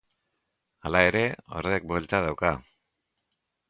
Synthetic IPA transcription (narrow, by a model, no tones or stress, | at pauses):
alae̞ɾe̞o̞̰re̞k̚bolt̪að̞awka